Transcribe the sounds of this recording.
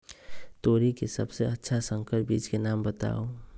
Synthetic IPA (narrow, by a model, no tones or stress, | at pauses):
t̪oːɾikesəbseətːʃʰasə̃ŋkəɾ̚biːt͡ʃkenaːmbət̪a̰ːo